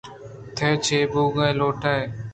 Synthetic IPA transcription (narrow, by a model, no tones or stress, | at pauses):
t̪ʰeːt͡ʃʰeːbuːɡaeːloːʈʰaːeː